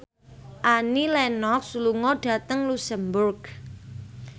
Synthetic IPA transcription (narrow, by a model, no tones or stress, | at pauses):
ʔanilɛnɔk̚suluŋɔɖ̥a̤t̪əŋlusəmbʊrɡ̥